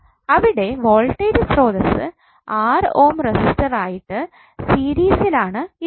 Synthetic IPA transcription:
ɐʋiɽe̞ʋoːɭʈːeːɾsro̞ːðɐsɨ̰ | aːroːmresisʈɐraːjiʈːɨ | siːɾiːsilaːɳɨi

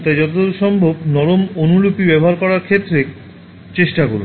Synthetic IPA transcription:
t̪ad͡ʑɔt̪od̪oɾʃɔmbʱobnɔɾomonulupibɛboɦaɾkɔɾaɾkʰet̪ːɾe | t͡ɕeʃʈaɡol̰

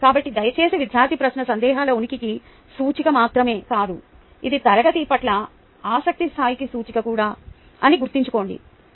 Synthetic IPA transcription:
kaːbɐʈːid̪ɐjɐt͡ʃeːseʋid̪ʱjaːɾt̪ʰipɾɐsnɐsɐnd̪ɛːɦaːlɐunikiki | suːt͡ʃikɐmaːt̪ɾɐme̞ːkaːd̪u | id̪it̪ɐlɐɡɐt̪iːpɐʈlɐ | aːsɐk̚t̪ist̪ʰaːjikisuːt͡ʃikɐkuːɽaː | ɐniɡuɾt̪ːiɲt͡ʃuko̞ːɳɖḭ

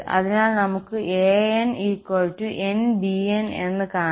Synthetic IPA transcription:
ɐ̰ðinaːlnɐmukːɨʔeːeniːkwolʈːuʔe̞nbiene̞nːɨkaː

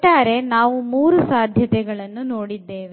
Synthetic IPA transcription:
ʈːaːɾe̞naːʋumuːɾusaːd̪ʱjɐt̪ɛɡɐɭɐnːuno̞ːɽid̪ːeːʋe

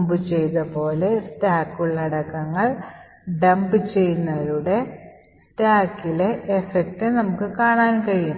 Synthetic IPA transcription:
mbɨt͡ɕe̞jt̪ɐpo̞ːle̞staːkːuɭːɐɐɽɐkːɐŋːɐɭ | ɖɐmbɨt͡ɕe̞jnːɐðuɽe̞ | staːkːile̞ʔefek̚ʈɨnɐmukːɨkaːɳaːnkɐɻijum

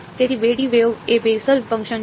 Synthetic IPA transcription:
t̪eːt̪iʋeːɽiʋeʋeːbeːsəlpə̃ŋkʃə̃n

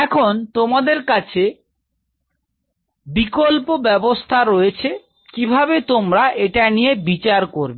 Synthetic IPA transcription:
ɛkʰont̪omad̪eɾkat͡ɕʰe | bikolpobɛbost̪ʰaɾoet͡ɕʰe | kibʱabet̪omɾaʔeʈanijebit͡ɕaɾkoɾbe

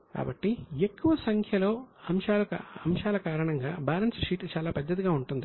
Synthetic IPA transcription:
ka̰ːbɐʈːiekːuʋɐsɐŋkʰjɐlo̞ːɐmʂaːlɐkɐmʂaːlɐkaːɾɐɳɐŋɡa̰ːbaːlɐnsʂiːʈt͡ʃaːlaːpɐd̪ːɐt̪̬iɡaːuɳʈund̪i

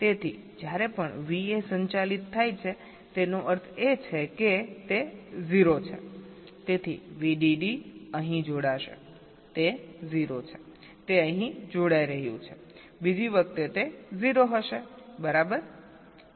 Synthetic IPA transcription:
t̪et̪ʰi | d͡ʒjaɾepəɳʋiesəɲt͡ʃalit̪ʰːajt͡ʃʰe | t̪enoʔəɾt̪ʰet͡ʃʰeket̪eziɾot͡ʃʰḛ | t̪et̪ʰḭʋiɖiɖiəɦĩd͡ʒoɽaʃḛ | t̪eziɾot͡ʃʰe | t̪eəɦĩd͡ʒoɽaiɾəɦjṵ̃t͡ʃʰe̥ | bid͡ʒiʋək̚t̪et̪eziɾoɦəʃebəɾabəɾ

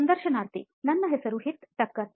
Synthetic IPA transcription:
ɐnd̪əɾʃɐnaɾt̪ḭ | nɐnːɐɦesɐɾuɦit̪ʈɐkːɐ

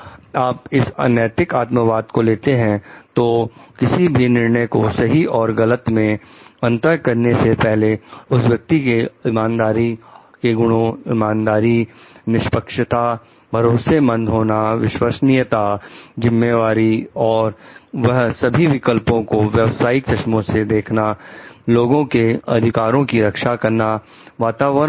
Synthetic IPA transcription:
aːpɪsə̰njɛːt̪ɪkaːt̪məʋaːd̪̚koleːt̪eɦɛ̃t̪oːkɪsibʱinɪɾnəjkosɐɦiʔɔːɾɡɐlət̪mẽ | ɐ̃nt̪əɾkɐɾnesepɛɦleʊsʋjɐk̚t̪ikeɪmãːnd̪aːɾi | keɡʊɽ̃õɪmãːnd̪aːɾinɪʃpəkʃɪt̪a | bʱɐɾoːsemɐ̃nd̪ʱɦoːnaʋɪʃwəsnɪjət̪ad͡ʒɪmːeʋaːɾiɔːɾʋɐɦsɐbʱiʋɪkəlpõkoʋjɐʋsaːɪksɐʃmõsed̪eːkʰnaloːɡõkeɐ̰d̪ʱɪkaːɾõkiɾɐkʃakɐɾna | ʋaːt̪aːʋə

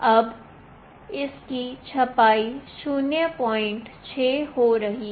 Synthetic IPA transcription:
ɐb | ɪskit͡ʃʰɐpaːiʃuːnjəpɔːɪ̃ɳʈt͡ʃʰeːhoɾɐɦi

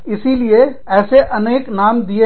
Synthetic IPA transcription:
ɪsilie | ɛːseʔɐneːknaːmd̪ie

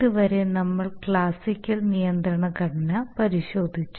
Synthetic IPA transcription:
ɨʋɐɾe̞nɐmːɐɭkɭaːsikʲːɐlnijɐnd̪ɾɐɳɐkɐɽɐnɐpɐɾiɕo̞ːd̪ʱit͡ɕːu

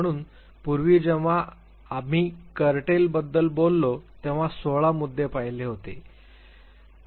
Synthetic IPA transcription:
ɽ̃uːn | puɾʋiːd͡ʑeʋ̤a | am̤iːkəɾʈelbəd̪ːəlbolːot̪eʋ̤asoɭamud̪ʱːepajleɦot̪e

